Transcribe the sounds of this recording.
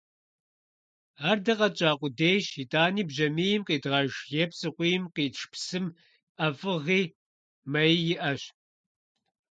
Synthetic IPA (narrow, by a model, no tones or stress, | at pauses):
aːrdɐqɐt͡ʃʼaːqʷʼʊdejʃitʼaːniːbʒɐmijɪmqiːdʁɐʒjɛpʰsɨqʷijmqiːʈ͡ʂʰpʰsɨm | ʔɐfʼɨʁiː | mɐjjɪʔɐɕ